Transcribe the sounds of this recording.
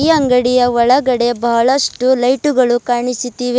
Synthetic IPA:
iːɐŋɡɐɽijɐʋɔɭɐɡɐɽe̞bɐɦɐɭɐsʈulɐjʈuɡɐɭukaːɳisit̪ːiːʋe

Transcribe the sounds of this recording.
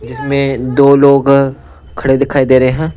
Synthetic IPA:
d͡ʒɪsmẽd̪oːloːɡ | kʰɐɽed̪ɪkʰaːid̪eːɾɐɦeɦɛ̃ː

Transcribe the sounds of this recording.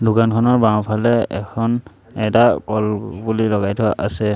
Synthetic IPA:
dʱukankʰɔnɔɹbãwpʰalɛɛkʰɔn | ɛtakɔlbulilɔɣajtʰʊaʔasɛ

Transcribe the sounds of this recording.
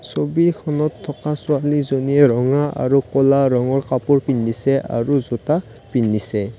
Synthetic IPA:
sobikʰɔnɔtʰːɔkasualizoniɛɹɔŋaʔa̰ɹukɔlaɹɔŋɔɹkapuɹpinːisɛa̰ɹuzuta | pinːisɛ

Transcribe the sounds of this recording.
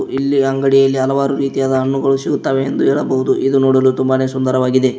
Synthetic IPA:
ilːiɐŋɡɐɽijɐlːiɐlɐʋaːɾuɾiːt̪ijaːd̪ɐɐɳːuɡɐɭusiɡut̪ːaːʋe̞ːnd̪uɦeːɭɐbɐɦud̪uʔid̪unoːɽɐlut̪umbɐne̞ːsund̪ɐɾɐʋaːɡid̪e̞

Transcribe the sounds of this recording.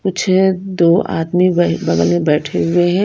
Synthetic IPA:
kʊt͡ʃʰd̪oːa̰ːd̪mibɐɡəlẽbɛːʈʰeɦʊeɦɛ̃

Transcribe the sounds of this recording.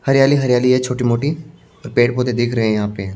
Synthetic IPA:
hɐɾjaːliɦɐɾjaːliɦɛt͡ʃʰoːʈimoːʈi | ɔːɾpeːʈpoːt̪ed̪ɪkʰɾɐɦẽjɐɦãːpe

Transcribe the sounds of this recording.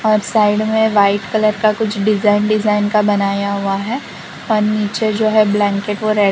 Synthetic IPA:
ɔːɾsaːɪɖmẽʋaːɪʈkɐləɾkakʊt͡ʃʰɖɪzaːɪnɖɪzaːɪnkabɐnaːjaɦuaɦɛ | ɔːɾniːt͡ʃed͡ʒoːɦɛblɛ̃ːŋkeːʈʋoɾɛ

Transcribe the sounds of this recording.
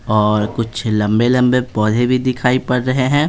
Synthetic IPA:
ɔːɾkʊt͡ʃʰlɐ̃mbelɐ̃mbepɔːd̪ʱebʱid̪ɪkʰaːipɐɽɾɐɦeɦɛ̃ː

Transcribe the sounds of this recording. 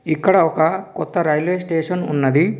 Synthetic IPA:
ikːɐɽɐɔkɐkɔt̪ːɐɾɐjlʋeːsʈeːʂɐnunːɐd̪i

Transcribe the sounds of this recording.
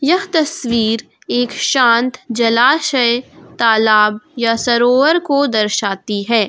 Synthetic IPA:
jɐɦt̪ɐswiːɾ | eːkʃãːnt̪d͡ʒɐlaːʃəet̪aːlaːbjasɐɾoːʋəɾkod̪ɐɾʃaːt̪iɦɛː

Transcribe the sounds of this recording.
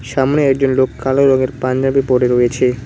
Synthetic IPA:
ʃamneɛk̚d͡ʑonlokːaloɾɔɡeɾpand͡ʑabiboɖeɾojet͡ɕʰe

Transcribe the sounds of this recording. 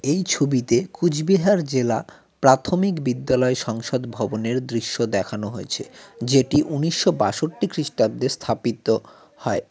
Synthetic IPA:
ejt͡ɕʰobit̪ekud͡ʑbiɦaɾd͡ʑela | pɾat̪ʰomikbid̪ːalɔeʃɔŋʃod̪bʱɔboneɾd̪ɾiʃːod̪ɛkʰanoɦojet͡ɕʰḛd͡ʑeʈiʔuniʃːobaʃoʈːikɾiʃʈad̪est̪ʰapit̪o | hɔe

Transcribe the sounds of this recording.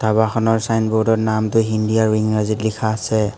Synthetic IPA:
tʰabaxʰɔnɔɹsajnbɔɹdɔɹnamtʊɦindijaɹwiŋɹazitlikʰaːsɛ

